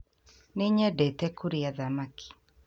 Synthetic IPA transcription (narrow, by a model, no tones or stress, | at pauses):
nɪɲɛdɛtɛkuɾiaðamakʰi̥